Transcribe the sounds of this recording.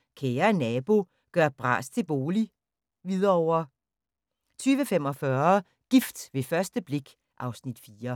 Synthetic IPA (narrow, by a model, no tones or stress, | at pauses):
kʰeːɐnɛb̥o̝ | ɡ̥ɶɐ̰b̥ʁɑ̰̈ːst͡sʰe̝b̥o̝ːli | ʋið̞ˠɐɒʊ̰ɐ | t͡sʰyːʋəfem̰ɒ̽fɶɐ | ɡ̥ifd̥ʋe̝fɶɐsd̥əb̥le̝ɡ̥ | ʔɑ̈ʊsnid̥fiːɐ